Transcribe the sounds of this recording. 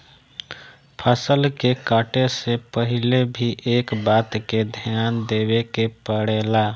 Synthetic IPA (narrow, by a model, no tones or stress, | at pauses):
pʰəsəlkekaːʈesepəɦɪlebʱiʔeːkbaːt̪ked̪ʱjaːnd̪ebekepəɽeːla